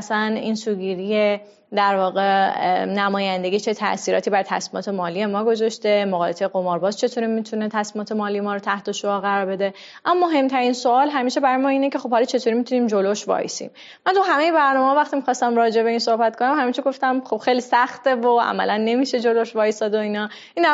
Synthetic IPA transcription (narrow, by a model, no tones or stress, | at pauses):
sænḭnsuːɡiːɾije | d̪æɾvɒːɣe̞næmɒːjænd̪e̞ɡʲit͡ʃʰe̞t̪ʰæ̰ʔsiːɾɒ̰t̪ibæɾt̪ʰæ̰smimɒ̰ːt̪ʰe̞mɒːlije̞mɒːɡo̞zɒʃt̪e̞moɣɒːjesejɣo̞mɒɾbɒːzt͡ʃʰe̞t̪ʰoːɾimit̪ʰunet̪ʰæsmimɒːt̪ʰe̞mɒːlije̞mɒːɾot̪ʰæht̪oʃoɒːɣæɾɒɾbe̞d̪e | ʔæmːɔɦe̞mt̪ʰæɾinsoɒːlɦæmiːʃebæɾɒjemɒːiːne̞cʰe̞xo̞b̥̚hɒlɒt͡ʃʰe̞t̪ʰoːɾimit̪ʰuniːmd͡ʒo̞loʃvɒ̰jḭsḭːm | mænt̪ʰuɦæme̞je̞bæɾnɒːmeɦɒvæxt̪imixɒːst̪æmrɒːd͡ʒe̞be̞iːnsohbæt̪̚kʰonæmhæmint̪ʰoɾɡoft̪æmχo̞b̥xejlisæxt̪e̞voæ̰mæ̰lʔænːe̞miːʃe̞d͡ʒo̞loʃvɒːjesɒːd̪oinɒːʔin